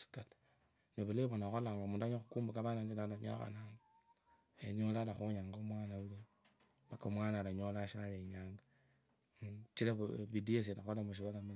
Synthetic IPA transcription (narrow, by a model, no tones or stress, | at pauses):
si̥kat | neβuleβonaxolaŋɡomuːndaɲoxukumbukaβanandinalaɲa̰xa̰naŋa | eniolalaxuɲaːŋɡomwaːnaule | βakomwaːnalaɲolaʃaleɲaːŋɡa | t͡ʃilaββidies̬inaxolamuʃ̬iβalamul